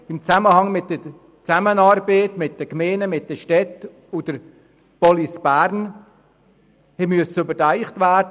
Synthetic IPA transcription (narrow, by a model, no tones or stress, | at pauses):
ɪmt͡sæməhɑŋmɪt̚d̥ə | t͡sæmənɑːɾbəːtmɪt̚d̥əkmeːnəmɪt̚d̥əʃtɛt | ud̥əɾ | b̥ɔlisb̥æːɾn | hɛmyəsəøbətæɪχtvæːɾd